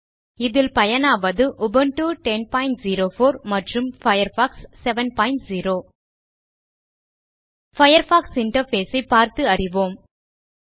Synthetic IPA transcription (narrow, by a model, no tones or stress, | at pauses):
ɪðɪlpɐjɐnaːʋɐðɯʔʊbɐnʈuːʈɛnpaːɪɳʈziːɾoːfoːɾmɐʈrɯmfɐjɐɾfaːksːɛʋɐnpaːɪɳʈziːɾoː | fɐjɐɾfaːksɪɳʈɐɾfeːsɐɪpːaːɾt̪ɯɐrɪʋoːm